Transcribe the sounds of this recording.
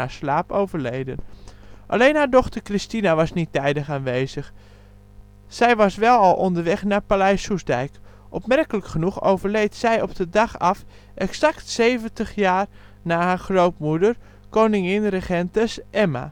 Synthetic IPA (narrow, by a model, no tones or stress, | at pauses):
aɹslaːpowvəɹlejdənʔa̰lejnɦaːɹdɔxtəɹkristinaʋɑsnitːɛjdəχaːnʋejzəx | sɛjʋɑsʋɛlˠɑlˠʔɔndəɹʋɛχnaːpalɛjsusdɛjk | ʔɔpmɛrkələkχənuxo̰wvəɹlejtsɛjɔp̚dədɑxɑf | ʔɛksaktsejvəntəχjaːr | naːhaːɹxrowpmudər | kownɪŋɪnrəχɛntəsʔɛma̰